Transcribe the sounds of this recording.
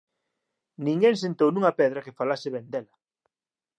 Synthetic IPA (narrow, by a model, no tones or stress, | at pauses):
nĩŋɡeŋsent̪ownũŋɐpɛðɾɐkefalasɪβend̪elɐ